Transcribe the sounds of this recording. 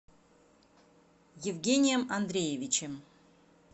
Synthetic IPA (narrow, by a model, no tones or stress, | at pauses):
jɪvɡʲenʲɪjəmɐnd̪ɾʲejɪvʲɪt͡ɕɪm